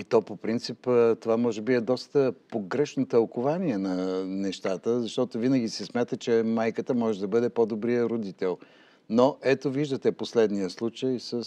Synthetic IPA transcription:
it̪ɔpopɾint̪sipt̪ovamɔʒɛbiɛd̪ɔst̪əpoɡɾɛʃnot̪əlˠkʊvaniɛnɐnɛʃt̪at̪əzɐʃt̪ɔt̪ovinəɡʲisɛsmʲjat̪ət͡ʃɛmajkət̪əmɔʒɛd̪ɐbəd̪ɛpod̪obɾijəɾod̪it̪ɛlˠ | noʔɛt̪oviʒd̪ət̪ɛposlɛd̪nijəslˠut͡ʃəjsəs

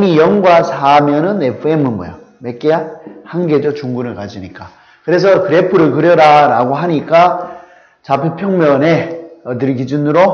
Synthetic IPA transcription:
mijʌŋɡwasʰamjʌnɯnepʰɯe̞mɯnmʌjʌ | me̞k͈ejahanɡe̞d͡ʑʌt͡ɕuŋɡunɯɭkad͡ʑiɲik͈a | kɯɾe̞s̬ʰʌkɯɾe̞pʰɯɾɯɭkɯɾjʌɾaɾaɡoɦaɲik͈a | t͡ɕapʰepʰjʌŋmjʌne̞ʌdɯɾkid͡ʑunɯɾo

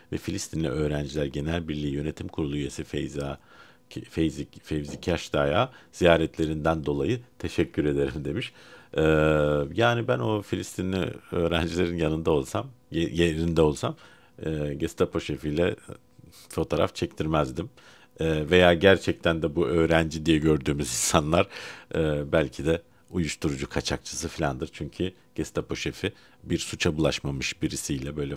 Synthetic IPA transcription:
vɛfilʲist̪ʰinlʲḭʔø̞ːɾænd͡ʒilʲæɾɟe̞nælʲbiɾlʲiːjø̞ne̞t̪ʰimkʰuɾulˠuyjesifḛjza | fezifevzicʰaʃd̪aːjaːz̥ijaːɾɛt̪ʰlʲe̞ɾind̪ænd̪o̞lˠajɯt̪ʰe̞ʃɛcʰːyɾe̞d̪e̞ɾimd̪e̞miʃɛːjaːnibæno̞filʲist̪ʰinlʲḭøːɾænd͡ʒilʲe̞ɾinjanɯnd̪ao̞lˠsamjjeɾind̪ɛo̞lˠsamː | ɟɛst̪ʰapo̞ʃefijlʲɛ | fo̞t̪ʰoːɾa̰ft͡ʃʰɛc̚t̪ʰiɾmɛzd̪imː | ve̞jaːɟæɾt͡ʃʰɛc̚t̪ʰænd̪ɛbuʔø̞ːɾænd͡ʒid̪ijɛɟø̞ɾd̪yːmyzinsanlˠaɾ̥ɯːbælʲcʰid̪ɛ | ujuʃt̪ʰuɾud͡ʒukʰat͡ʃʰak̚t͡ʃʰḁsɯfilʲand̪ɯɾt͡ʃʰyɲcʰy | ɟ̥ɛst̪ʰapo̞ʃefi | biɾsut͡ʃʰabulˠaʃmamɯʃbiɾisijlʲɛbø̞jlʲɛ

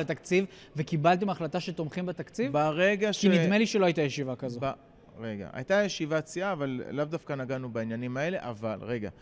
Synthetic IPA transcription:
et̪akt͡siv | ve̞kibalt̪̬imaχlat̪aʃet̪o̞mχimbet̪akt͡sivbaʁe̞ɡaʃkinidme̞liʃeloajit̪ajeʃivakazoba | ʁeɡa̰a̰jt̪ajeʃivat͡siaːvallavd̪afkanaɡanubainjanimae̞le̞ʔavalʁe̞ɡa̰

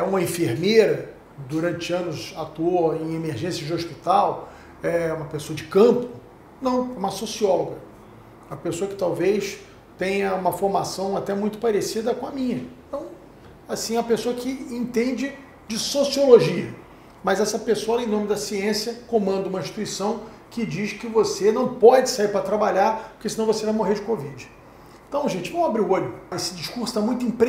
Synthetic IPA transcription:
ɛũmɐẽfeɾmejɾɐ | d̪uɾɐ̃nt͡ʃɪɐ̃nʊzat̪uoẽj̃emeɾʒẽsjɐd͡ʒɪoʃpit̪aw | ɛũmɐpesoɐd͡ʒɪkɐ̃pʊ | nɐ̃w̃ɛũmɐsosiɔloɡɐ | umɐpesoɐkɪ̥t̪awvejs | t̪ẽj̃ɐũmɐfoɾmasɐ̃w̃at̪ɛmũj̃t̪ʊ̥paɾesid̪ɐkõɐmĩɲɐt̪ɐ̃w̃ | asĩɛ̃mɐpesoɐkɪẽt̪ẽnd͡ʒɪ | d͡ʒɪsosioloʒiɐ | mɐzɛsɐpesoɐɔlẽj̃nõmɪd̪ɐsiẽsiɐkõmɐ̃nd̪ʊũmɐĩʃt͡ʃi̥t̪uisɐ̃w̃ | kɪd͡ʒiʃkɪvosenɐ̃w̃pɔd͡ʒɪsaiɾpɾɐt̪ɾabaʎaɾpʊ̥kesɪnɐ̃w̃vosevajmoɦeɾd͡ʒɪkovid͡ʒɪ | ẽnt̪ɐ̃w̃ʒẽnt͡ʃɪvomwabɾiuoʎʊesɪd͡ʒiʃkuɾsʊ̥t̪amũj̃t̪ʊĩpɾ

